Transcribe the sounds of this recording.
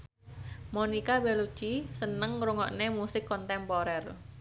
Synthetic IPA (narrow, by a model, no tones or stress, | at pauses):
monikabelu̥t͡ʃisənəŋɾuŋɔ̰ʔnemusɪkːɔnt̪ɛmpoɾɛr